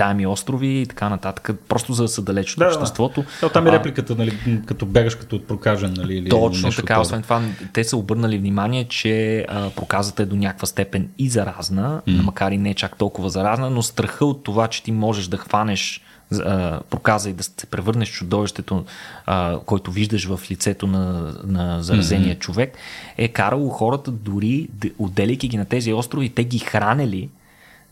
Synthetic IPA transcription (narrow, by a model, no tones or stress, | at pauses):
t̪aɛmiɔst̪ɾʊviːt̪ɐ̥kanɐt̪at̪ə̥kəpɾɔst̪ʊzɐd̪ɐsəd̪ɐlɛt͡ʃot̪d̪apʃd̪ɛst̪vɔt̪oat̪amɛɾɛplikət̪ənɐlikɐt̪ɔbaɡəʃkə̥t̪ɔt̪̚pɾokaʒɛnːɐliːliɔt͡ʃnot̪ɐkaosɛnt̪ovat̪ɛsəobɤɾnəlivnimaniɛt͡ʃɛəpɾokazət̪əɛd̪onʲakvəst̪ɛpɛnʲizɐɾaznənmɐkaɾinɛɛt͡ʃakt̪ɔlˠkʊvəzɐɾaznənost̪ɾɐxɤot̪ːovat͡ʃɛ̥t̪imɔʒɛʒd̪ɐxvanɛʃ | əpɾokazəid̪ɐssɛ̥pɾɛvɤɾnɛʃt͡ʃʊd̪ɔviʃt̪ɛt̪oəkɔjt̪ʊviʒd̪əʃvəflit̪sɛt̪onɐnɐzɐɾɐzɛniət͡ʃovɛkɛkaɾəlˠoxɔɾət̪əd̪ʊɾiod̪ːɛlɛjkʲiɡʲinɐt̪ɛziɔst̪ɾovit̪ɛɡixɾanɛli